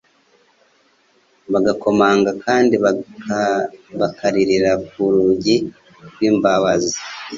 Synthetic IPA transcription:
βaɡako̞maːŋɡakʰaːndiβ | βakʰaɾiɾiɾakuɾuɟi | ɾɡwiːmbaβazi

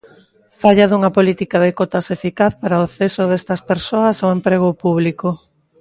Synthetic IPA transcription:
faʎaðuŋɐpolit̪ikaðekot̪asefikaθpaɾaoθesoðest̪ɐspeɾsoɐsoempɾeɣ̞opuβliko

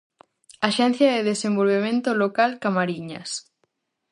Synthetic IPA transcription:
aʃɛn̟θjɐðeðesembolβemẽnt̪olokalkamaɾiɲa̰s

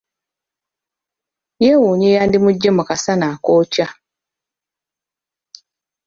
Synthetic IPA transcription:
jewuːɲeːjaːndimuɟːemukasanaːkoːca

